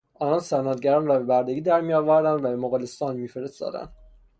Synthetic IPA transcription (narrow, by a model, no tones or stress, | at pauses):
ʔɒːnɒːnsænɒd̪ɟæɾɒːnrɒːbe̞bæɾd̪eɡiːd̪æɾmijɒːvæɾd̪ænd̪væbe̞moɣɑlest̪ɒːnmiːfeɾest̪ɒ̰ːd̪æ̰nd̪̥